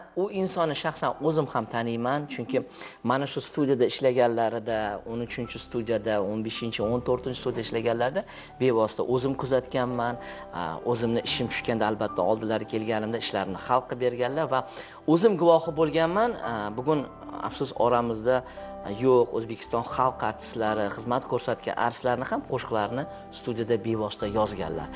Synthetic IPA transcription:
ʊɪnsɒnːɪʃaχsanɵzɪmhamt̪ʰanɪjmant͡ʃʰʊŋkʲɪmanaʃʊst̪ud̪ʲijad̪aɪʃlaɡʲanlaɾɪd̪aonʊt͡ʃʰɪnt͡ʃʰɪst̪ud̪ijad̪aonbe̞ʃɪnt͡ʃʰɪont̪ʰoɾt̪ʰɪnt͡ʃʰɪ̥st̪ud̪ijaɪʃlaɡʲanlaɾɪd̪a | be̞vɒsɪt̪a̰ʔɵzɪmkʰʊzat̪kʲanman | ɵzɪmnɪʔɪʃɪmt͡ʃ̪ʰʊ̥ʃkʲand̪aːlbat̪ʰːaɒlˠd̪ɪlaɾɪkʲʰe̞lɡʲanɪmd̪aɪʃlaɾɪnɪχɑlˠqʰɨbe̞ɾɡʲanlaɾva | ɵzɪmɡʊvɒhɪbolˠɡʲanmanbʊɡʲʊn | a̰fsʊsɒɾamɪzd̪a | joqɵzbekʲʰɪ̥st̪ɒnχɑlˠqʰaɾt̪ʰɪ̥slaɾɪχɨzmat̪kʲʰɵɾsat̪kʲa̰nʔa̰ɾɪslaɾɪnɪhamqʰoʃqlaɾnɪ | st̪ʰud̪ʲijad̪abe̞vɒst̪ʰajɒzɡʲa̰nla̰ɾ

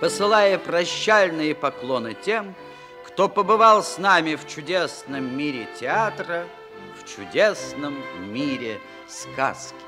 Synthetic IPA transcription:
pəsɨlˠajəpɾɐɕːalʲnɨjəpɐklˠonɨtʲem | kt̪opəbɨvalˠsnamʲɪft͡ɕʊdʲesnəmːʲiɾʲɪtʲɪat̪ɾə | ft͡ɕʊdʲesnəmːʲiɾʲɪ | ska̰skʲɪ̥

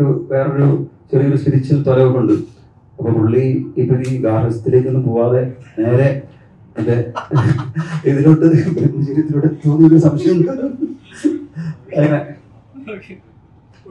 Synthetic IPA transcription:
uʋe̞ːro̞ɾut͡ɕerijoɾuɕiɾit͡ɕːɐt̪oɾɐʋukːoɳɖɨ | ɐpːoːpuɭːiipːɐɾiːɡaːɾɐsɐt̪ːileːkːenːumpoːʋaːðe̞ne̞ːɾe̞ | end̪e | iðinoʈːɨpɐt̪ːid͡ʑiɾit̪ːiloːɽet̪ːoːnːioɾusɐmɕjɐjɐmkaːɾum | ɐine

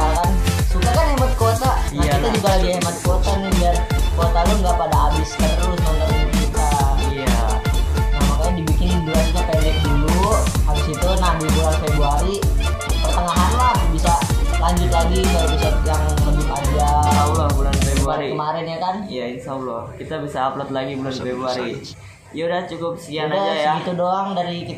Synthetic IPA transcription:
akansukakanɛmat̪̚kot̪amait̪ad͡ʒuɡaladiaɛmat̪̚kot̪anibiarkot̪aloŋɡaʔpadaːbɪskat̪əɾʊsnoŋaimat̪̚kot̪aja | namakaadibikɪnbulanuk̪apalɛk̚duluhaɾʊsit̪unabibulansebuaɾi | pərt̪əŋaɦanlahbisalaɲd͡ʒʊt̪laɡikalopusat̪̚jaŋləmbɪt̪ad͡ʒaaulɔhbulanfebuaɾiəmaɾɪnɲakanijainsaulɔhkit̪abisaːplət̪̚laɡibulanfebɾuaɾi | jaudaht͡ʃukʊp̚sə̥kianad͡ʒajaɡit̪udoaŋdaɾikit̪

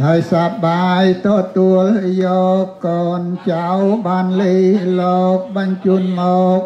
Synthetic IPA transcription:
haəjsap̚ɓaːjt̪ɔːt̪uəljɔːkːɔːnt͡ɕawɓaːnliːhlɔːk̚ɓɑnt͡ɕuənmɔːk̚

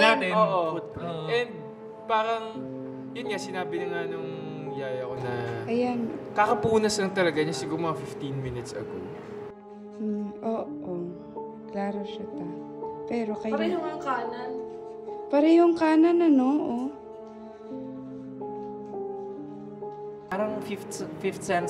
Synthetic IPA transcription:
jaɛoʔoʊt̪̚ʔɛnd̪̚ | baːɾɐŋ | jʊnŋasɪnaːbɪnɐŋanɐŋ | mɐjaːɾɪɐko̞nɐʔɐjankakɐpuːnɐsɐŋt̪ɐlɐɡaɲasɪɡʊɾmɐŋafɪft̪inmɪnɪt̪sɐ̰ko̰ | ʔoːʔo | klaːɾoʃɐt̪ɐ | pɛːɾo̞kɐjɐʊŋŋkaːnɐn | paːɾɐjʊŋkaːnɐnɐnoʔo | aɾɐŋfɪft̪fɪft̪sɛn

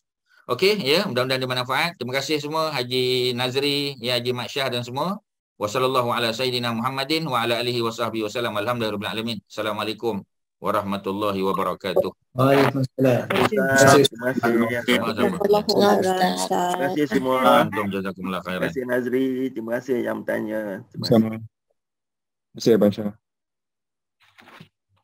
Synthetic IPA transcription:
ʔokejədaundandimənafaʔat̪̚ːɾimakasɪhsəmuəɦad͡ʒinazɾijəhad͡ʒimaʔʃahdansəmuə | wasɑlalːaɦualasajidinamuɦamːadɪnwaalaʔaːliɦiwasɑhbihiwasalamalhamdahɾɔbila̰lamĩnasalamalakʊm | waɾˤɑhmat̪ulːɑɦiwabaɾɑkat̪ʊh | aksalaaɪimakasɪasmlː | kasɪhsəmuant̪ʊmd͡ʒazakʊmlːaxajɾaasɪhnazɾit̪ɾimakasɪhja̰ŋət̪a̰ɲət̪iməa | bəsabanʃa

